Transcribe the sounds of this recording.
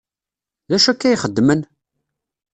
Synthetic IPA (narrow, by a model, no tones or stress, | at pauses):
læʃækːæjχəd̪ːmən